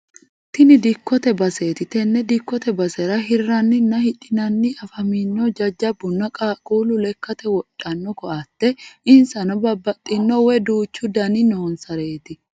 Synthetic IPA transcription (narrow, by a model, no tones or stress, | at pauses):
t̪ɪnɪd̪ɪkʰːɔt̪ɛbɐseːt̪ɪt̪ɛnːɛd̪ɪkːɔt̪ɛbɐsɛɾɐɦɪrːɐnːɪnːɐhɪᶑʼɪnɐnːɪɐfɐmiːnːɔd͡ʒɐd͡ʒːɐbːʊnːɐkʼaːkʼuːlʊlɛkːɐt̪ɛwɔtʼːɐnːɔkɔʔɐt̪ːɛɪnsɐnɐbɐbːɐt̪ʼːɪnːɔwɛd̪uːt͡ʃːʊd̪ɐnɪnoːnsɐɾe̞ːt̪ɪ